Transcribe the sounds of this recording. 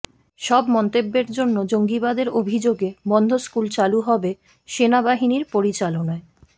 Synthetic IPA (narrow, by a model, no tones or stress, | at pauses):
ʃɔbmɔnt̪ebːeɾd͡ʑonːod͡ʑoŋɡibad̪eɾobʱid͡ʑoɡebɔnd̪ʱoskult͡ɕaluɦɔbe | ʃenabaɦiniɾpoɾit͡ɕalonae